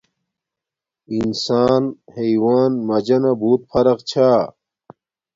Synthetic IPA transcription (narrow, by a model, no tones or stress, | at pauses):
insaːnheiwaːnmɐd͡ʑɐnɐbuːt̪̚fʰɐɾɐqt͡ɕʰaː